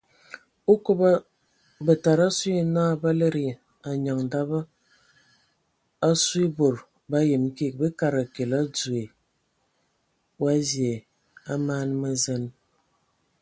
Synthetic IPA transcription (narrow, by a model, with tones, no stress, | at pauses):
o˦ko˦ba˦ | bə˨ta˨ɾa˦swi˦e˦naː˦˨˦ba˦le˦ɾi˨ | a˨ɲa˨ŋ̩˨da˦bə˦ | a˦si˦bo˨ɾ | ba˦je˨m˦ke˦˨k̚be˦ka˨ɾa˨ke˨la˦d͡zu˨e˨ | wa˦zje˨ | a˦maː˦n˦mə˦zə˦n